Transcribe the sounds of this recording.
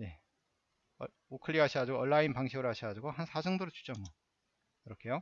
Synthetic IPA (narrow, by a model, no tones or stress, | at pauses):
ne̞ | okʰɯɭːiɦaɕʰiɡad͡ʑuɡoʌɭːainpaŋɕʰiɡɯɾohaɕʰiɡad͡ʑuɡohansʰad͡ʑʌŋdoɾɯt͡ɕʰu̥t͡ɕ͈ʌmwʌ | kɯɾʌkʰe̞jo